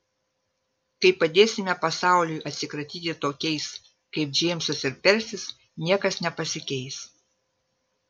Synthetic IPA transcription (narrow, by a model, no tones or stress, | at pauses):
kɐɪpɐd̪ʲeːsʲɪmʲɛpɐsɑˑʊlʲʊjʔɐt̪ʲsʲɪkɾɐt̪ʲiːt̪ʲɪt̪oːkʲɛɪs | kɐɪp̚d͡ʒʲeːmʲsɐsɪɾpʲɛɾʲsʲɪs | nʲiɛkɐsnʲɛpɐsʲɪkʲɛɪs